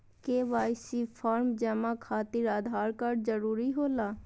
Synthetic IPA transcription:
keːʋaːɪsipʰaːɾmd͡ʒɛːmãkʰaːt̪ɪɾaːd̪ʱaːɾkəɾd͡ʒəɾuːɾiɦoːlaː

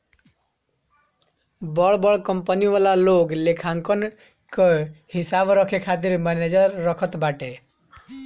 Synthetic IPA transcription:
bɔɭbɔɭkɔmpəniʋalaloɡlekʰaŋkɔn | kɔhisabɾɔkʰekʰat̪̬iɾmaned͡ʒʌɾːɔkʰɔt̪baʈe

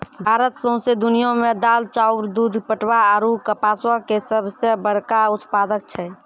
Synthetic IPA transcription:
bʱaɾət̪sə̃ɦsed̪unijõmed̪aːlt͡ʃaʊɾd̪ud̪ʱpəʈwaaɾukəpaswakesəbsəbəɾkaut̪paːd̪ək̚t͡ʃʰɛ

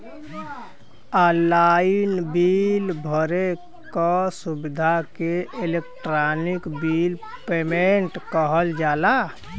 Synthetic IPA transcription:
əlainbilbʱəɾe | kɔsubid̪ʱakeelek̚ʈɾanikbil | pemeɳʈkəɦəld͡ʒaːla

